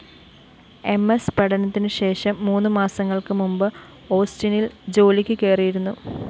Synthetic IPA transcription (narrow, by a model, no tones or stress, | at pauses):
e̞mːespɐɽɐnɐt̪ːinɨɕe̞ːʂɐmːuːnːɨmaːsɐŋːɐɭkɨmumbɨ | o̞ːstinild͡ʑo̞ːlikʲːɨke̞ːrijiɾunːu